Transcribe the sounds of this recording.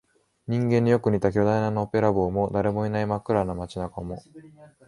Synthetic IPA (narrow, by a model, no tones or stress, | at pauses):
ɲ̟ĩŋɡẽɲ̟ːijokɯ̟ɲ̟it̪ak̬ʲo̞d̪ainanoːpe̞ɾabo̞ːmo̞d̪aɾe̞mo̞inaimakɯ̟ɾanamat͡ɕinakamo̞